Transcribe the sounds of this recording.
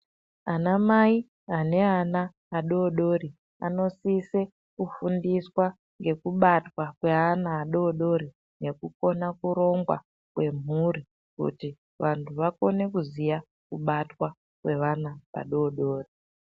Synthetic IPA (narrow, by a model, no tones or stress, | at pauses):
anamai | ane̞anaː | ɗo̞ːɗo̞ɾi | a̰no̞sise̞ | kufundiswa | ŋɡe̞kuɓatwakwe̞ɦanaːɗo̞ːɗo̞ɾi | ne̞kuko̞nakuɾo̞ŋɡwa̰ | kwe̞m̤uri | kṵti | ʋantʰuʋako̞ne̞kuzija | kuɓatwa | kwe̞ʋanapa̰ɗo̞ːɗo̞ːri